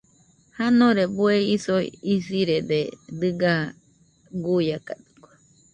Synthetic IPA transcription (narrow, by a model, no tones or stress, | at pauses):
hanõɾebueisoḭisiɾed̪ed̪ɨɡa | ɡujakad̪ɨ̥kʷḁ